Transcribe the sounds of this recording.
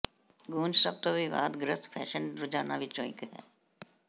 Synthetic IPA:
ɡũːnd͡ʒsɐb̚t̪obʱiʋa̰ːd̪ɡɾəspʰɛ̰ːʃənɾʊd͡ʒaːnaʋɪt͡ʃõːɪ̃kɦɛ̰ː

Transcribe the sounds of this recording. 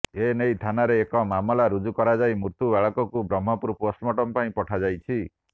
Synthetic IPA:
enejt̪ʰanaɾeːkɔmamɔlaɾud͡ʒukɔɾad͡ʒajmuɾt̪ubaɭɔkɔkubɾɔm̤ːɔpuɾposʈmɔʈɔmpaĩpɔʈʰad͡ʒajt͡ʃʰi

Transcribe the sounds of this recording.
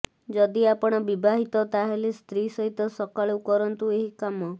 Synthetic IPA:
d͡ʒɔd̪iapɔɽ̃ɔbibʱaɦit̪ɔt̪aɦelest̪ɾisɔɦit̪ɔsɔkaɭeukɔɾɔnt̪ueɦikamɔ

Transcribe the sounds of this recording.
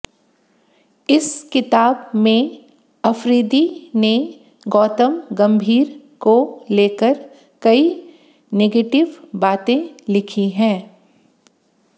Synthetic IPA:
ɪskɪt̪aːbmẽ | ɐfɾiːd̪ine | ɡɔːt̪əmɡɐ̃mbʱiːɾkoleːkəɾ | kɐi | neːɡeːʈɪʋbaːt̪ẽlɪkʰiɦɛ̃ː

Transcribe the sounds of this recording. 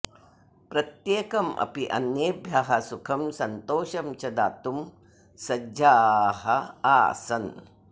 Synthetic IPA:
pɾɐt̪jeːkɐmʔɐ̰piʔɐ̰njeːbʱjɐɦɐsukʰɐmsɐnt̪oːʃɐmt͡ʃɐd̪aːt̪um | sɐd͡ʒaːɦɐaːsɐn

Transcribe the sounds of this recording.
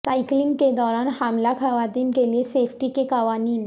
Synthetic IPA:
sajkliŋɡked̪ɔɾanhamlakʰaʋad̪iːnkelesefʰʈikekaʋaniːn

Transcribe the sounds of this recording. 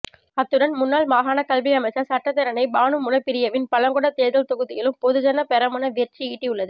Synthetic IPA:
ɐt̪ːɯɽɐnmʊnːaːlmaːɦaːnɐkɐlʋɪɐmɐɪt͡ʃːɐsɐʈːɐt̪ːɐɾɐnɐɪbaːnɯmʊnɐpːɪɾɪjɐʋɪnpɐlɐŋɡɔɽɐt̪eːðɐlt̪ɔɣɯðɪjɪlɯmpɔðɯt͡ʃɐnːɐpɛɾɐmɐnɐʋɪɛʈriiːʈːiʊɭːɐðɯ

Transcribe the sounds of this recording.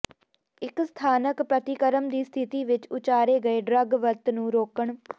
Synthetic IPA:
ɪkst̪ʰaːnəkpɾət̪ɪkəɾəmd̪iːst̪ʰɪt̪iːʋɪt͡ʃʊt͡ʃaːɾeːɡəeːɖɾəɡʋəɾt̪nũːɾoːkəɳ

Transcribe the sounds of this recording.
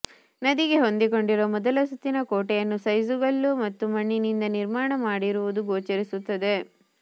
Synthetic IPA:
nɐd̪iɡe̞ɦo̞nd̪iko̞ɳɖiɾoːmɔd̪ɐlɐsut̪ːinɐkoːʈejɐnːusɐjsuɡɐɭːumɐt̪ːumɐɳːinind̪ɐniɾmaːɳɐmaːɽiɾuʋud̪uɡoːt͡ʃɐɾisut̪ːɐd̪e̞

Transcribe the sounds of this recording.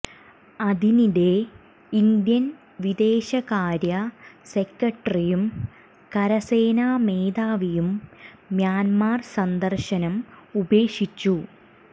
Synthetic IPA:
ɐðiniɾe̞ | ind̪jɐn | ʋid̪e̞ːɕɐɣaːɾjɐse̞kːɐʈrijum | kɐɾɐseːnaːme̞ːd̪aːʋijumː | jaːnmaːrsɐnd̪ɐrʂɐnɐmube̞ːʂit͡ɕːu

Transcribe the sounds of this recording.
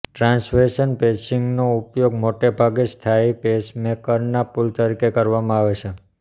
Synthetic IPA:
ʈɾãnsfeʃənpesiŋɡnoupjoɡ̚moʈebʱaɡest̪ʰaipesmekəɾnapult̪əɾikekəɾʋamãaʋet͡ʃʰe

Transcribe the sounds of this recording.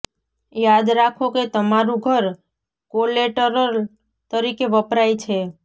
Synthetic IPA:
jad̪ɾakʰoket̪əmaɾũɡʱəɾ | koleʈəɾəɾ | t̪əɾikeʋəpɾait͡ʃʰe

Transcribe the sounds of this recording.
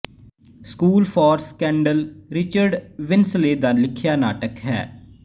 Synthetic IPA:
skuːlpʰɔːɾskɛ̃ːɳɖəlɾɪt͡ʃəɾɖʋɪnsleːd̪aːlɪkʰɪjaːna̰ːʈəkɦɛ̰ː

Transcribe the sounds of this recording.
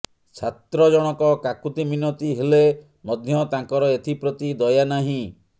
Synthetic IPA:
t͡ʃʰat̪ɾɔd͡ʒɔɽ̃ɔkɔkakut̪iminɔt̪iɦele | mɔd̪ʱjɔt̪ãŋkɔɾɔet̪ʰipɾɔt̪id̪ɔjanaɦĩ

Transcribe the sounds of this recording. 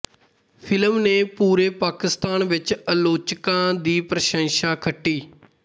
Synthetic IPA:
pʰɪləmneːpuːɾeːpaːkɪst̪aːnʋɪt͡ʃəloːt͡ʃkãːd̪iːpɾəʃə̃ŋʃaːkʰəʈːiː

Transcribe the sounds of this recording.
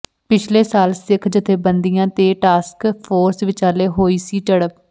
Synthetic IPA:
pɪt͡ʃʰleːsaːlsɪkʰd͡ʒɪt̪ʰːeːbənd̪ijãːt̪eːʈaːskpʰoːɾsʋɪt͡ʃaːleːɦoːiːsiːʈəɽəp

